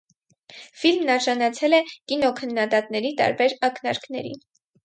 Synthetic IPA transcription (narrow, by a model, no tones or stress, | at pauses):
filmnɑɾʒɑnɑt͡sʰɛlɛkinɔkʰənːɑd̪ɑt̪nɛɾit̪ɑ̰ɾbɛɾɑknɑ̰ɾknɛɾḭn